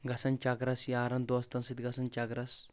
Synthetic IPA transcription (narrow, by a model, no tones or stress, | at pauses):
ɡɐsɐnt͡ʃaɡɾɐsjaɾɐnd̪ost̪ɐnsit̪ɡɐsɐnt͡ʃɐɡɾɐs